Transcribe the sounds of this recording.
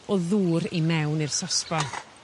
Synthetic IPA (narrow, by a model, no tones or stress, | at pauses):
ɔðuːɾimɛwnirsɔspa